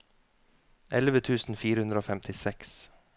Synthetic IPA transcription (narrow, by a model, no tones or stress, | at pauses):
ʔɛlʋət̪ʰʉːsn̩fiːɾəhʉnd̪ɾəoːfɛmt̪ʰɪsɛks